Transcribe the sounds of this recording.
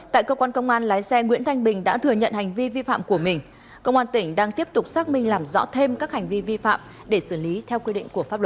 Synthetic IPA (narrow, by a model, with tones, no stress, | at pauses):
t̪a̰ː˧˨jkə˧kwaː˧nkə˧wŋ͡mʔaː˧nlaː˨˦jsɛ˧ŋwḭ˧˥ənt̪ʰa˧jŋ̟ɓï˨˩ŋ̟ɗa̰ː˧˥t̪ʰɨ˨˩əɲə̰˧˨nha˨˩jŋ̟vi˧vi˧fa̰ː˧˨mku˧˩əmï˨˩ŋ̟ | kə˧wŋ͡mʔaː˧nt̪ï˧˩ŋ̟ɗaː˧ŋt̪i˦˥əp̚t̪ʊ˨˩k͡p̚saː˦˥k̚mï˧ŋ̟laː˨˩mzɔ̰˧˥t̪ʰe˧mkaː˦˥k̚ha˨˩ŋ̟vi˧vi˧fa̰ː˧˨m | ɗe˧˩sɨ˧˩li˨˦t̪ʰɛ˧wkwi˧ɗḭ̈˧˨ŋ̟ku˧˩əfaː˦˥p̚lə˨˩